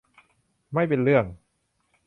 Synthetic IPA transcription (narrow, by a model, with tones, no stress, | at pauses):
ma˥˩jpe˧nɾɯ˥˩əŋ